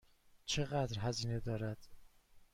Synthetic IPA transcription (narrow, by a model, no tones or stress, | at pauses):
t͡ʃʰeɣæd̪ɾɦæziːne̞d̪ɒːɾæd̪̥